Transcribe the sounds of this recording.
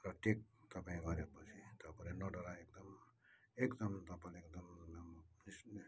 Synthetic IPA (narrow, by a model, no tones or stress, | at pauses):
ɾʌʈʰik̚t̪ʌpãĩbʱaɾepʌt͡ʃʰit̪ʌpʌnenɔɖɔlaekd̪ʌm | ekd̪ʌmt̪ʌpanek̚d̪ʌm | is